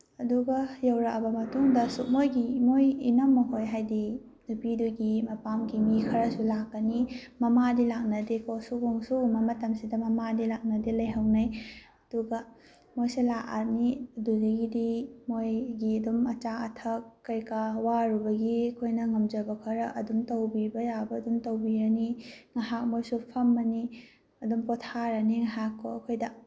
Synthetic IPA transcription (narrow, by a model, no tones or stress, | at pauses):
ɐduɡɐjɐwɾɐkɐbɐmɐtuŋdɐsuk̚mojɡimojinɐmːɐɦojɦajdi | nupiduɡimɐpamɡimikʰɐɾɐsulakːɐnimɐmadilak̚nɐdekosuɡuŋsuumɐmɐtɐmsidɐmɐmadilak̚nɐdelɐjɦɐwnɐj | ɐd̥uɡɐ | mojselaʔaɾniduzeɡidimojɡiɐdumɐt͡ʃaɐtʰɐkːɐjkawaɾubɐɡiɐkʰojnɐŋɐmd͡ʒɐbɐkʰɐɾɐʔɐdumtɐwbibɐjabɐːdumtɐwbiɾɐniŋɐɦak̚mojsupʰɐmːɐni | ɐdumpɔtʰaɾɐniŋaɦakʰːoɐkʰojdɐ